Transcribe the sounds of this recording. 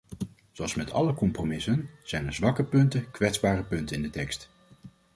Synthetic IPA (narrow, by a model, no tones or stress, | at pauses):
zowɑlˠsmɛtʰɑ̰ləkɔmpromɪsənz̥ɛjnəɹzʋɑkəpɵntəkʋɛtzbaːrəpɵntəɪndətɛkst